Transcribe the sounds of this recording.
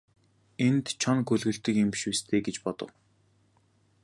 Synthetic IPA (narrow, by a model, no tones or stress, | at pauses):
ent̪t͡ɕʰɔnɡɵɮɣɘ̆ɬt̪ɘ̆kemʃust̪ʰeːɡet͡ɕpɔt̪ɞ̰̆w